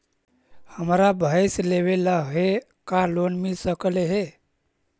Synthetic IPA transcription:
həmɾabʱəjsleβeləɦe | kalonmilsəkleɦe

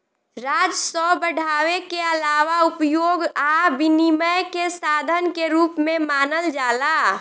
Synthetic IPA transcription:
ɾaːd͡ʒsɔbəɽʱaːwekeəlaːʋaʊpjoːɡabiniməjkesaːd̪ʱənkeɾuːpmẽmaːnəld͡ʒaːla

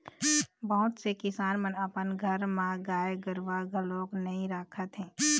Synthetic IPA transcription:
bəɦʊt̪sekɪsaːnmənəpənɡʱəɾmãɡaːjeɡəɾʋaɡʱəloːknɐɦĩɾaːkʰət̪ɦɛ̃ː

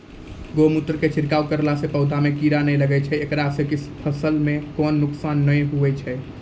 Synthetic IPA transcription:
ɡomut̪ɾəket͡ʃʰiɾkaukəɾlasepəʊd̪ʱamekiɾanɛjləɡɛt͡ʃʰɛekɾasekispʰəsəlmekɔnːuksanːəjɦuʋɛt͡ʃʰɛ

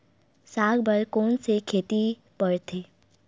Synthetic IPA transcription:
saːɡbəlkoːnsekʰeːt̪i | pəɽt̪ʰeː

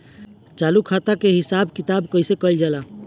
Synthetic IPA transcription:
t͡ʃalukʰat̪akeɦisabkit̪abkəisekəɪld͡ʒala

